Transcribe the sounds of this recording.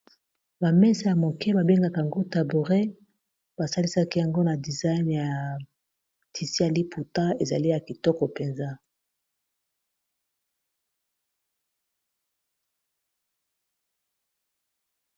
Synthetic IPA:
ba˨mɛ˦sɛ˨ja˨mo˨kɛ˦ba˨be˦ŋɡa˦ka˨ja˨ŋɡo˦ta˨bu˨ʁe˦ | b̥a˨sa˦li˦sa˦ki˦ja˨ŋɡo˦na˨di˨za˦jnja˨ | tʰi˨si˦ja˨li˦pʰu˨ta˦e˨za̰˨li˦ja˨ki˨tɔ˦kɔ˨pe˨nza˦

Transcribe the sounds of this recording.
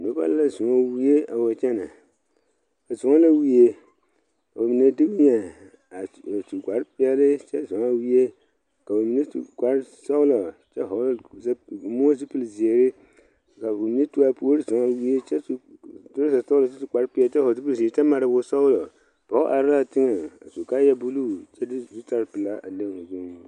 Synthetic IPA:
no˨˦ba̰˦lla˦zʊ˨ɔ˦wi˦je˦a˨wo˨t͡ʃɛ˦na̰˨ | a˨zʊ˨ŋɔ˦la˦wi˦e˦ | ka˨o˨mi˨ne˦dɪ˦bɲɛ˨ | a˨tu˨ɡʷa˨ɾpɪ˦ɛ˦lɪ˦t͡ʃɛ˦zʊ˨ŋa˦wi˦e˦ | ka˨bo˨mi˨ne˦tṵ˨ɡa˨ɾsɔ˦ʊ˦lɔ˨t͡ʃɛ˦ɦo˨˦zmo˦zi˦pu˨lzi˨e˨ɾɪ˦ | ka˨o˨mi˨e˦tu˦a˦po˦ɾi˦sɔ˨ŋa˦wi˦e˦t͡ʃɛ˦˨to˦ɾza˨sa˦ʊ˦lɔ˨t͡ʃɛ˦su˨ka˨ɾpi˦ɛ˦lt͡ʃɛ˦ho˨zi˦pu˦lze˨˦t͡ʃɛ˦ma˨ɾa˨bʊ˦sɔ˦ʊ˦lɔ˨ | pɔ˨˦ʔa˨ɾa˦la˨tɪ˦ŋɨ˨a̰˨su˨ka˦jɛ˦bu˦lu˦t͡ʃɛ˦dzu˦ta˦ɾpɨ˨la˦ʔa̰˨le˦˨zu˦ŋ˨

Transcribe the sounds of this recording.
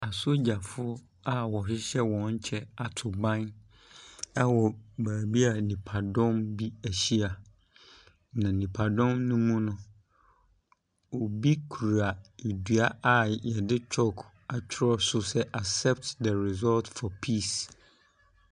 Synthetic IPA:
a˨so˦d͡ʑa˨fʊ˦ | a˦wɔ˨ɕɪ˦ɕɛ˦wɔ̃˨ɲ˦t͡ɕʰɛ˦a˨tʰʊ˨bã˦n | a˦wɔ˨baː˨bi˦a˨nĩ˨pʰa˨dɔ̃˦mbi˦æ˨ɕi˦a˨ | nã˨nĩ˨pʰa˨dɔ̃˦mnʊ̃˦mũ˦nʊ̃˦ | o˨bi˦kʰu˨ɾa˨e˨dɥu˨a˦a˨jɛ˨dɪ˦t͡ɕʰɔ˦kʰ | a˨t͡ɕʰɪ˦ɾɔ˦sʊ˦sɛ˦ʔa˨sɛ˦p̚tdɛ˨ɾi˨zɔ˦ltfɔ˨pʰi˦˨s

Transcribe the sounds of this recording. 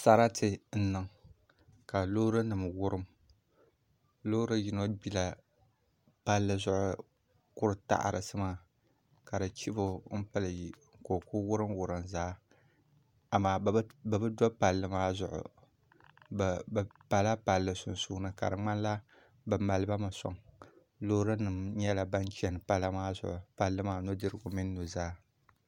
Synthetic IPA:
sa˦ɾa˦tʰɨ˨n̩˦nɨ˨ŋ | ka˨lo˦ɾɨ˦nɨ˨m˨wʊ˦ɾɨ˦m | lo˦ɾɨ˦ji˦no˦bi˦la˨ | pa˦lːɨ˨zʊ˦ʔʊ˦ | kʊ˦ɾɨ˨ta̰˦˨ʔa̰˨ɾɨ̰˨sɨ˦ma˦ | ka˨ɾɨ˨t͡ʃi˦bo˦m̩˦pɨ˦lɨ˨ji˨ | ko˨kʊ˦wʊ˦ɾɨ˦mwʊ˨ɾɨ˨mzaː˦ | a˨maː˨˦bɨ˨bɨ˦dɔ˦pa˨lːɨ˦maː˦zʊ˨ʔʊ̰˨ | bpa˨la˦pa˨lːɨ˨sʊ˨nsu˦nɨ˨ka̰˨ɾɨ˨ŋ͡ma˦n˦la˦ | bɨ˨ma˨lɨ˦ba˦mɨ˨sɔ̰˨ŋ | lo˦ɾɨ˦nɨ˨mɲɛ˦la˨ba˦nt͡ʃɛ˦nɨ˨pa˦la˦maː˦zʊ̰˨ʔʊ˨pa˨lːɨ˦maː˦no˦dɨ˦ɾɨ˦ɡʊ˨mɪ˦nː˦u˨zaː˦

